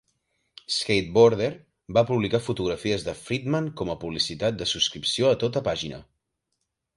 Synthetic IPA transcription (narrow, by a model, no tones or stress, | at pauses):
skejt̪̚boɾðeɾ | bapuβlikafut̪uɣɾəfiəzðəfɾid̪məŋkɔməpuβlisit̪at̪̚d̪əsuskɾipsioət̪ot̪əpaʒinə̰